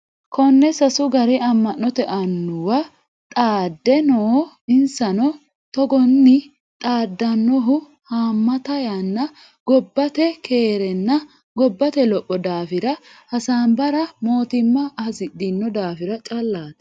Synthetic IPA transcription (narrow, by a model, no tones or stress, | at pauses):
kʰɔnːɛsɐsʊɡɐɾɪɐmːɐnːɔt̪ɛʔɐnːʊwɐ | t̪ʼaːd̪ːɛnoː | ɪnsɐnɔ | t̪ɔɡɔnːɪ | t̪ʼaːd̪ːɐnːɔɦʊ | haːmːɐt̪ɐjanːɐ | ɡ̥ɔbːɐt̪ɛkʰe̞ːɾɛnːɐ | ɡɔbːɐt̪ɛlɔpʼːɔd̪aːfɪɾɐhɐsaːnbɐɾɐmo̞ːt̪ɪmːɐzɪdɪnːɔd̪aːfɪɾɐt͡ʃʼɐlːaːt̪ɐ̥